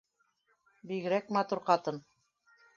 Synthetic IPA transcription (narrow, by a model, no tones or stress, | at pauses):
biɣɘ̆ɾækmɑt̪uɾqɑt̪ɤn